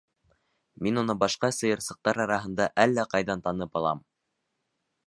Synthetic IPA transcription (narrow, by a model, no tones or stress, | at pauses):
minunɤbɑʃqɑsɤ̆jɤ̆ɾsɤ̆q̚t̪ɑɾɑɾɑɦɤ̆nd̪ɑʔælːæqɑjðɑnt̪ɑnɤpɑlˠɑ̰m